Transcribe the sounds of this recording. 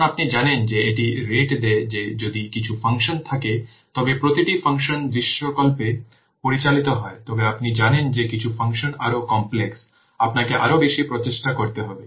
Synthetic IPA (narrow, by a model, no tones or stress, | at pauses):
apnid͡ʑanend͡ʑeeʈiɾeʈd̪ed͡ʑed͡ʑod̪ikit͡ɕʰufɐŋʃont̪ʰake | t̪ɔbepɾot̪iʈifʰaŋʃonb̪ɾiʃːokɔlpe | poɾit͡ɕalit̪oɦɔet̪ɔbeapnid͡ʑanend͡ʑekit͡ɕʰufaŋʃonaɾokɔmpleks | apnakeʔa̰ɾobeʃipɾot̪eʃʈakoɾt̪eɦɔbe